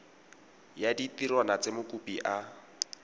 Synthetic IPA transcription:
jaditirwanat͡semʊkʼupiʔa

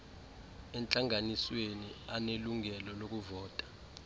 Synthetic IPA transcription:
ɛnt͡ɬʼaŋaniswenianeluŋɛlɔlok̬uvɔːtʼḁ

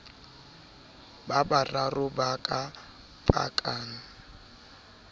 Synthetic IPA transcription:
babararʊbakʼa | pʼa̰kʼaːŋ̩

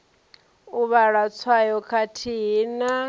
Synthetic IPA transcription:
uβaɺat͡sʰwajɔkʰatʰiɦina

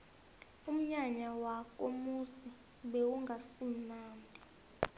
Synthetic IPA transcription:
um̩ɲaɲawak̬ʼomusi | ɓɛwuŋɡʱasinaːndʱʼi

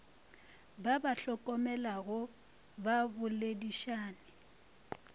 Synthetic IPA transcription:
babaɬɔkʼɔmɛlaɣʊ | babʊlediʃaːnɪ

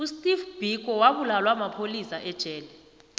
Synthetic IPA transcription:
ustʼifb̥ʱik̬ʼɔwaɓulalwamapʰolisaʔɛd̥ʒ̥ʼʱɛːlɛ

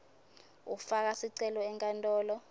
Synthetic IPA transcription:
ṵfak̬asiǀɛlɔɛŋkʼantʼɔːlɔ

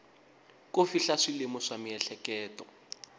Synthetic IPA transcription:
kofiɬaʂilemʊʂamiɛɬɛkɛːtɔ

